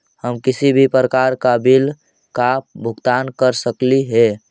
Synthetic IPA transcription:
həmkɪsibʱipɾəkaɾkabil | kabʱʊɡt̪aːnkəɾsəkliɦɛ

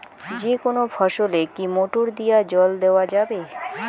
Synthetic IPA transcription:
d͡ʑekonofʰaʃolekimoʈoɾd̪ijad͡ʑɔld̪eoad͡ʑabe

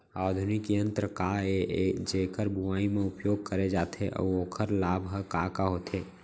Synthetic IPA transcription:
aːd̪ʱʊnɪkijə̃nt̪ɾəkaed͡ʒeːkəɾbʱʊʋaːimẽʊpjoːɡ̚kəɾed͡ʒaːt̪ʰeʔɔ̰ːoːkʰəɾlaːbʱɦəkakaɦoːt̪ʰeː

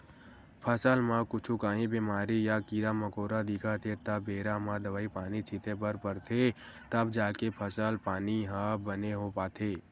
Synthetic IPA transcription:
pʰəsəlmãkʊt͡ʃʰukaːɦĩbiːmaːɾijakiɾaməkoːɾad̪ikʰat̪ʰet̪əbeːɾamãd̪əʋaːipaːnit͡ʃʰɪt̪ʰepəɾpəɾt̪ʰe | t̪əbd͡ʒaːkepʰəsəlpaːniɦãbəneɦopaːt̪ʰeː

